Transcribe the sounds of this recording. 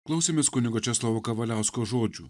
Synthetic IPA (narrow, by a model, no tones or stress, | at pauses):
klˠɐʊsʲeːmʲeːskʊnʲɪɡoːt͡ʃʲɛslˠɐʋoːkɐʋɐlʲæˑʊskoːʒoːd͡ʒʲṵː